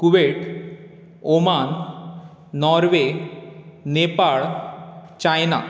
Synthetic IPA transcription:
kuʋeʈ | omanː | ɔɾʋe | nepaɭ | t͡ɕajna̰

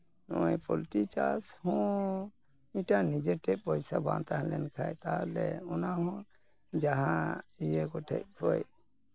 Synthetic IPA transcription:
nɔɛpɔlʈit͡ʃashɔ̃ | ĩʈanid͡ʒɛʈɛʔpɔjsabã̰nt̪aɦɛlɛnkʰajt̪alɛɔnaɦɔ̃ | d͡ʒaɦãijɛɡɔʈʰɛ̰t̚hʰɔj

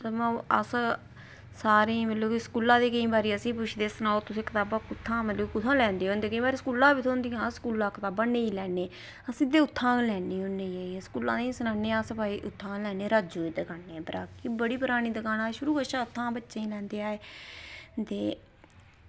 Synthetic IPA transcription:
t̪ːmãə̰s | saːɾẽːməloːiskuːlãːd̪eːkəĩːbaːɾiːəsĩːpʊt͡ʃʰd̪eːsənaːot̪ʊsẽːkət̪aːbãːkʊt̪ʰːãːməloːkʊt̪ʰãːlɛ̃ːnd̪eːɦõːnd̪eːkəĩːbaːɾiːskuːlãːbiːt̪ʰõːnd̪iːãːskuːlãːkət̪aːbãːneːiːlɛːneː | əsĩːd̪eːʊt̪ʰːãːlɛːneːʊnːeːaːiskuːlã̰ːd̪eĩsənaːnːeːəspaːiːʔʊt̪ʰːãːlɛːneːɾaːd͡ʒoːiːd̪əkʰaːnːeːbəɾaːkiːbəɽiːpʊɾaːniːd̪əkaːnaːeʃʊɾuːkəʃãːʊt̪ʰːãːbətːʃẽːĩːlɛ̃ːnd̪eːaːeː | t̪eː

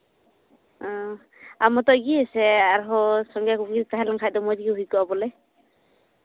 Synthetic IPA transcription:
ɔ̃ | amɔt̪ɔɡiɛsɛaɾɦɔsɔŋɡjakuɡiɾtaɦalaŋkʰaj̚dɔmɔd͡ʒiɡiɦujkɔabɔlɛ

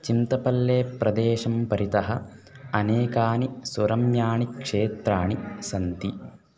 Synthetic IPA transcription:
t͡ʃint̪ɐpɐlːeːpɾɐd̪eːʃɐmpɐɾit̪ɐɦɐ̰ | ɐneːkaːnisuɾɐmjaːɳikʂeːt̪ɾaːɳisɐnt̪i

